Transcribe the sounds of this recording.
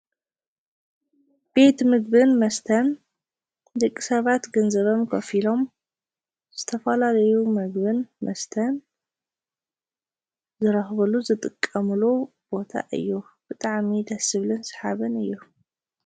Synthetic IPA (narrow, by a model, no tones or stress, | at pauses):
b̥e̞t̪mɨɡ̚bɨnmɐst̪ʰɐn | d̪ɐkʼːi̥sɐβat̪ɡɐnzɐβomkʰɐfilo̞m | z̥ɨt̪ʰɐfɐlalɐjumɐɡbɨnmɐst̪ʰɐn | zɨɾɐxβɐluzɨt̪ʼɨkʼːɐmlu | b̥o̞t̪ʰa̰ʔɨ̰jːub̥ɨt̪ʼaʕmid̪ɐsɨβlɨnsħaβɨnɨjːu